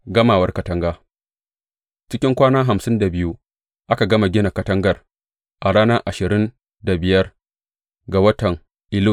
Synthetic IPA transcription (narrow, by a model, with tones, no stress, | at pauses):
ɡɐ˦maː˨wɐ˦rkɐ˦tɐ˦ŋɡaː˦ | t͡ʃɪ˦kʲɪ˦ŋkʷaː˦naː˦ɦa˨msɪ˦nda˨bɪ˦ju˦ | ʔa˦ka˨ɡɐ˦ma˨ɡʲɪ˦na˨kɐ˦tɐ˦ŋɡɐ˨r | ʔa˨ɽaː˦nɐ˦ʔa˨ʃɪ˨ɾɪ˦n | da˨bɪ˨jɐ˦r | ɡa˨wɐ˦tɐ˨ŋ | ʔɪ˦lʊ˦